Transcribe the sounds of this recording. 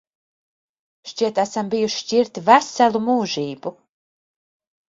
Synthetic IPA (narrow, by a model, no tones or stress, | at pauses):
ʃt͡ʃiɛt̪æsambijuʃi̥ciɾt̪væsælˠumuːʒiːbu